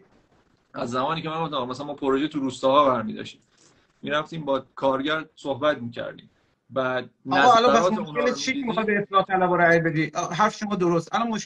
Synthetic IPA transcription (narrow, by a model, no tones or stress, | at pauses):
æzːæmɒːniːcʰeæŋɡoft̪æmmæsælænmɔːpʰoɾoʒet̪ʰuɾuːst̪ɒːhɒːbæɾmiːd̪ɒ̰ʃt̪iːm | miɾæft̪iːmbɒːkʰɒːɾɟæɾsohbæt̪miːcʰæ̰ɾd̪ḭːm | bæd̪nːæzːælɒɾpʰæsɾɒːmoʃuelet͡ʃʰiemixɒːt̪̚beːslɒːt̪ʰːælæboɾæjbe̞d̪iːʔɦæɾfe̥ʃomɒːd̪oɾost̪ʔælɒnmoʃ